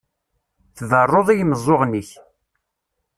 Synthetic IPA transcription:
θðərˤːoðˤijməzˤːoʁniç

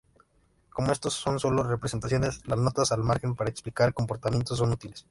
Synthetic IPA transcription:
ko̞moe̞st̪osːo̞nso̞lore̞pɾese̞nt̪asjo̞ne̞slazno̞t̪asalmaɾxe̞mpaɾaeksplikaɾko̞mpo̞ɾt̪amje̞nt̪os̬ːo̞nut̪iles

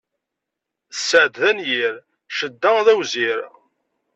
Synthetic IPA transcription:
θsːəʕd̪ðænjiɾ | ʃəd̪ːæðæwziɾ

